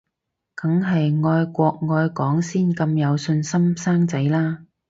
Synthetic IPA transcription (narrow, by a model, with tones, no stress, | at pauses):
kɐ˨˥ŋɦɐ˨jŋɔː˧jkʷɔː˧k̚ŋɔː˧jkɔː˨˥ŋsiː˥nkɐ˧mjɐ˨˧wsɵ˧nsɐ˥msaː˥ŋt͡sɐ˨˥jlaː˥